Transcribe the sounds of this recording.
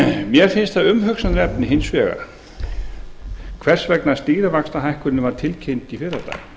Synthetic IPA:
mjɛɾ̥fɪnst̪θaðʏmɦœksanɾɛpnɪɦɪnsvɛːɣa̰̥ | kʰvɛr̥svɛknḁst̪iːɾavakst̪aɦajhkʏnʏvaɾ̥t̪ʰɪlcʰent̪ifɪɾat̪a̰ːjɣ

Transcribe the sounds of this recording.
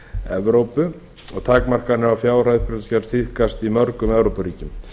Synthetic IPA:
ɛvɾowpʏ | ɔɣt̪ʰaːkmar̥kanɪɾafjaːwr̥ajðpʰɾɛt̪scɛɾ̥st̪fiθkast̪imœɾkʏmɛvɾowpʏɾiːcɪm

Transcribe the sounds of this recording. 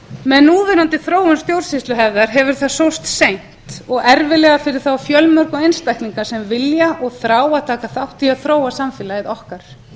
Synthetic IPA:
mɛðnuːvɛɾant̪ɪθɾoːwʏnst̪jowɾ̥sist̪lʏɦɛvðaɾ̥ɦɛvʏɾ̥θaðsowst̪sejn̥t̪ɔɣɛɾvɪlɛːɣafɪɾɪɾ̥θawfjœlmœɾ̥kɔɣejnst̪ajhk̪niŋkḁsɛmvɪljaʔɔɣθɾaːwaðt̪ʰaːkaθawht̪iaðθɾoːwasamfɪːlaɪðɔhkaɾ̥

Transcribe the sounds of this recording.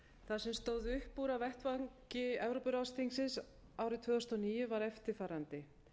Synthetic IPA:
θasɛmst̪oːwðɪʏhpːuːɾavɛht̪vaŋcɪɛvɾopʏɾawst̪ʰiŋsɪns | aːwɾɪt̪ʰvœːðʏst̪ɔniːjʏvaɾɛft̪ɪɾ̥faːɾant̪ɪ

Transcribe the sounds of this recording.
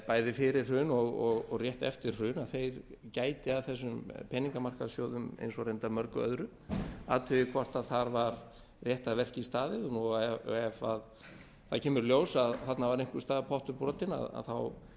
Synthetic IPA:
paːjðɪfɪɾɪɾ̥rʏːnɔɣɔɣɔɣrjɛht̪ɛft̪ɪɾ̥r̥ʏːnaðθejɾcaːjt̪ɪaðθɛs̬ːʏmpʰɛniŋkamar̥kasjoːwðʏmḛjnsɔɾejnt̪amœɾkʏœ̰ðɾʏ | a̰ːt̪ʰʏɪkʰvɔr̥t̪aðθaɾvaɾ | rjɛht̪aðvɛr̥cɪist̪aːðɪðɔnuɛɛvað | θacʰɛːmʏɾljoːwsaðθat̪navaɾejŋ̥kʏst̪aːðpʰɔht̪ʏɾpɾɔːt̪ɪna̰ða̰ðθaw

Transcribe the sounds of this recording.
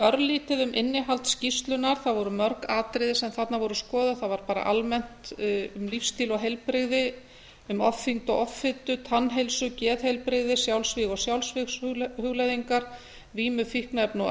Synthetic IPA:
œɾliːt̪ɪðʏmʔɪnːɪɦalt̪scist̪lʏnaɾ̥θaðvɔɾʏmœɾkaːt̪ɾɪðɪsɛmθat̪navɔɾʏskɔːðʏθavaɾpaːɾa̰ʔalmɛn̥t̪ʏmlifst̪iːlɔɣɦejlpɾɪɣðɪ | ʏmɔfːiŋt̪ɔɣɔfːɪt̪ːʏt̪ʰanːɦejlsʏcɛːðhɛjlpɾɪɣðɪsjawlsvɪːɣɔsjawlsvɪhʏɣlajðiŋkaɾ̥ | viːmʏfihknɛpnɔ

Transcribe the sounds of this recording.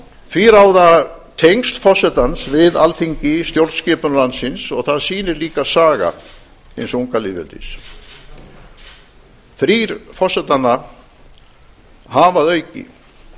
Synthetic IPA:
θʰviɾaːwðat̪ʰejŋst̪fɔsɛt̪ansvɪða̰lθiɲcɪst̪jowɾt̪scɛːpʏnlansɪnsɔɣθaðsiːnɪɾliːkasaːɣa̰ | ensuŋkalɪvɛ̰lt̪ḭs | θɾiːɾfɔsɛt̪anːa | havaðœːɥcɪ̰

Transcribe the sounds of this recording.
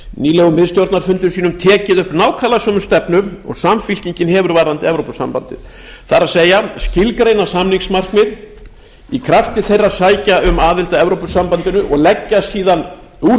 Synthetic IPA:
niːlɛɣʏmɪðst̪jowɾt̪naɾ̥fʏnt̪ʏɾsiːnʏmt̪ʰɛːcɪðʏhpnaːwkʰaːlasœmʏst̪ɛpnʏɔ̰ɣsamfil̥ciɲcɪnhɛvʏɾvaɾðant̪ɪɛvɾowpʏ̥sa̰mpa̰nt̪ɪ̰ð | θaɾaðseːjascɪlkɾejnasamliŋksmar̥kmɪð | ikʰɾaft̪ɪθejrːaðsaːjcaʏmaːðɪlt̪aɛvɾowpʏsampant̪ɪnʏʔɔɣlɛcːasiːðan | u

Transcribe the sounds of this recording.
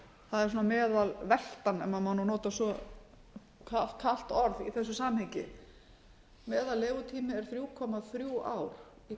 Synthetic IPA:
θaðɛɾ̥suɔːnamɛːðalvɛl̥t̪anɛ̰mːamanunɔːt̪asɔ | kʰakʰal̥t̪ɔɾðiθɛs̬ːʏsamhɛɲcɪ̰ | mɛːðalːeːɣʏt̪ʰiːmɪɛɾ̥θɾjuːkʰɔmaθɾjuːa̰ːwɾ̥ | i

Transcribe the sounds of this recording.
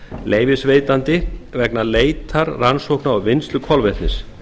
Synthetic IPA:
lʔeːjvɪsveːjt̪ant̪ɪvɛknaleːjt̪ʰaɾransowhknaɔwvɪnst̪lʏkʰɔlvɛt̪nɪs

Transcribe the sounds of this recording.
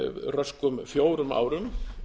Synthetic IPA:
rœskʏmfjoːwɾʏma̰ːwɾʏm

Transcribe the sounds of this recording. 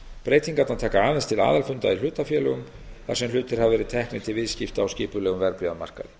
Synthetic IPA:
pɾeːjt̪iŋkat̪awt̪ʰaːkaaːðɛnst̪ʰɪla̰ːðalfʏnt̪ail̥ʏːt̪afjɛːlʏɣʏm | θa̰ɾsɛml̥ʏːt̪ɪɾ̥havɛːɾɪt̪ʰɛhknɪt̪ʰɪlvɪðscɪft̪awscɪːpʏlɛɣʏmvɛɾpjʏama̰r̥ka̰ðɪ

